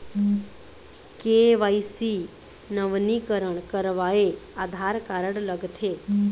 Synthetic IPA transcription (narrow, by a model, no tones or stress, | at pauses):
keʋaːisi | nəʋnikəɾəɳ̃kəɾʋaːeaːd̪ʱaːɾkaːɾəɽ̃ləɡt̪ʰeː